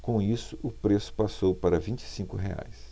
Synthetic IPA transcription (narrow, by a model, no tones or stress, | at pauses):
kõisʊʔʊpɾesʊ̥pasowpaɾɐvĩt͡ʃi̥sĩŋkʊɦḛa̰js